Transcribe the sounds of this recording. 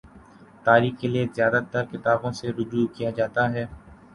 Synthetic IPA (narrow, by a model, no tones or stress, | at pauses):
t̪aːɾiːxkeliezjaːd̪at̪əɾkɪt̪aːbõseɾʊd͡ʒuːkijad͡ʒaːt̪aɦɛː